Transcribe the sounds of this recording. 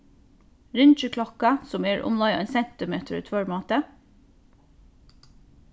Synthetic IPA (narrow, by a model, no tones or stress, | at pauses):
ɹʏnt͡ʃəkʰlɔkɑsɔmeːɹʔʊ̰mlɑɪɛ̰ːnsɛnt̪ɪmeːt̪ʰɾʉt̪ʰʋøɹmɑːt̪ə